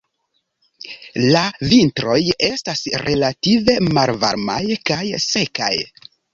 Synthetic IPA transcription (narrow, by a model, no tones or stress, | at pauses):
lavintɾo̞je̞stasɾʔe̞lative̞malva̰ɾma̰jkajse̞ka̰j